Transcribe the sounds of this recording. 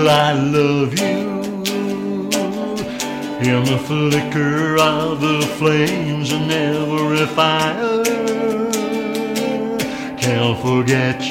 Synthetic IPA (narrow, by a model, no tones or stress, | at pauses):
aɪlʌvjʉ | iɨ̃mðəflɪkə˞ʌvðəflẽɪ̃mzɨ̃nɛvə˞ɪfaɪə | kʰɨ̃ntfə˞ɡɛt͡ʃ